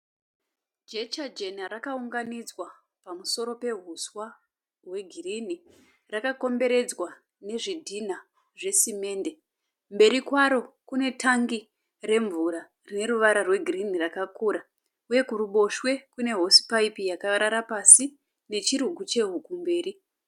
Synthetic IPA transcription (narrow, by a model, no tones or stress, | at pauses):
d͡ʒet͡ʃad͡ʒe̞naɾakauŋɡanid͡zwa | pamuso̞ɾo̞pe̞ɦuswa | ɦwe̞ɡʱirini | rakako̞mbe̞ɾe̞d͡zwa | ne̞ʐidʱina | ʐe̞sime̞ːnde̞ | mbe̞ɾikwaɾo̞kune̞tʰaŋɡi | re̞ɱvuɾa | rine̞ɾuʋaɾarwe̞ɡʱirinirakakuːɾa | uje̞kuɾuɓo̞ʃwe̞kune̞ɦo̞si̥paipijakaaɾaɾapasi | ne̞t͡ʃiɾuɡʱut͡ʃe̞ɦukumbe̞ːɾi